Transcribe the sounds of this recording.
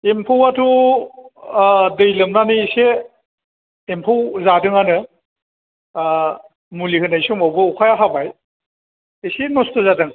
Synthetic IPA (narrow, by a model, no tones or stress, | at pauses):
empʰɯwatʰu | dɯjlɯmnaniːse | empʰɯwzadɯŋanɯ | mulihɯnajsumawbɯukʰajaɦabaj | esenɔstɯzadɯŋ